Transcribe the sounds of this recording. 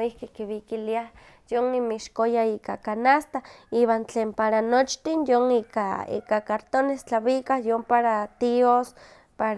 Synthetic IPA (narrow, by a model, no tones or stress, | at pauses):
ihkikiβikiliah | jonimiʃkojaiːkakanast̪aiːβant͡ɬeːmpaɾanot͡ʃt̪injoŋiːka̰ḭːkakaɾt̪onest͡ɬaβikahjompaɾat̪ios | paɾ